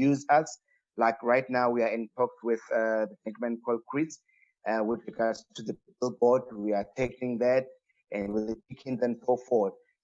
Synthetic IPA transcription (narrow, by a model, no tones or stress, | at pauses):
juzas | lajkɹajtnawwiaɛ̃ntʰɔk̚twɪðaðədɛ̃ŋkmɛ̃nkʰɔlˠkʰɹit | ʔawɪθɹiɡadz̥tʰuðəpipəlbɔdwiatʰekʰĩŋðæt̚ | ʔɛ̃ndwiðət͡ʃikʰĩnðɛ̃mtʰofɔd̥̚